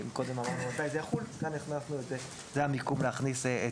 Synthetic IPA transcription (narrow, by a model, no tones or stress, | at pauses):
mikod̪emamaʁnumat̪ajzɛjaχulkanːiχnasnuetze | zeamikumleaχnisee